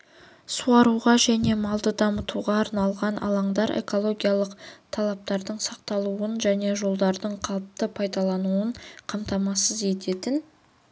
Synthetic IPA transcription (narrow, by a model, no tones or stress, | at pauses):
suɑɾuʁɑʒæne̞mɑlˠd̪əd̪ɑmət̪uʁɑːɾnɑlˠʁɑnʔɑ̰lˠɑɴd̪ɑɾe̞̰ko̞lˠo̞ɡʲijɑlˠəqt̪ʰɑlˠɑp̚t̪ɑɾd̪əɴsɑq̚t̪ɑlˠuənʒæne̞ʒo̞lˠd̪ɑɾd̪əɴqʰɑlˠəp̚t̪əpʰɑjd̪ɑlˠɑnuəɴqʰɑmt̪ɑmɑsəze̞t̪e̞t̪ɪn